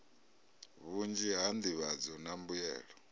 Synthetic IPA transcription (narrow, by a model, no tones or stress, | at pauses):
βund͡ʒiɦand̪iβad͡zɔnambujɛ̰ːɺɔ